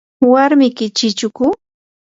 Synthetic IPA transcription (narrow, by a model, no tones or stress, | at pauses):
waɾmɪkɪt͡ʃɪt͡ʃʊkʊ